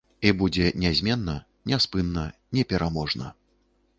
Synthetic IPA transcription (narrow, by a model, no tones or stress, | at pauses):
ibud͡zʲɛnʲɛzʲmʲɛnːɐ | nʲɛspɨnːɐnʲɛpʲɛɾamɔʐnɐ̰